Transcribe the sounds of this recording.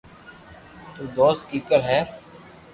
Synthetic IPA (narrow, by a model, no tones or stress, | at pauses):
t̪uːd̪oːskiːkəɾɦɛː